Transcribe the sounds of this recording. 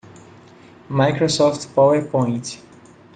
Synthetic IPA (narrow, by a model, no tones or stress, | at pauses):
majkɹosɔftpoəpʰɔ̃jɪ̃nt